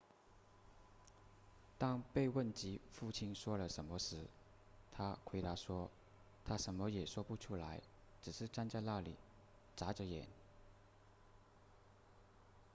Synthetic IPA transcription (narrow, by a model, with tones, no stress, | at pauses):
t̪ɑ˥ŋpe˥˧ɪwə˥˩nt͡ɕi˧˥fu˥˩t͡ɕʰi˥nʂwɔ˥lə˨ʂə˧˥nmə˧ʂɻ̩˧˥ | t̪ʰa˥kʰwe˧˥ɪt̪a˧˥ʂwɔ˥ | t̪ʰa˥ʂə˧˥nmə˧jɛ˨˩ʂwɔ˥pu˥˩ʈ͡ʂʰu˥la˧˥ɪ | ʈ͡ʂɻ̩˨˩ʂɻ̩˥˩˧ʈ͡ʂa˥nt͡ɕja˥˧na˥˩li˨˩˦ | t͡sa˧˥ʈ͡ʂə˧jɛ̰˨˩˦n